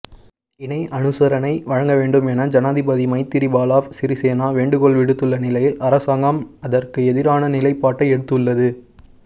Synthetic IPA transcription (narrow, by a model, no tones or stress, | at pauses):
ɪnɐɪʔɐnɯsɐɾɐnɐɪʋɐɻɐŋɡɐʋeːɳɖɯmɛnɐd͡ʒɐnaːðɪbɐðimɐɪt̪ːɪɾibaːlaːʋsɪɾiseːnaːʋeːɳɖɯkɔɭʋɪɽɯt̪ːɯɭːɐnɪlɐjɪlɐɾɐsaːŋɡɐmɐðɐrkɯɛðɪɾaːnɐnɪlɐɪpːaːʈːɐɪɛɽɯt̪ːɯɭːɐðɯ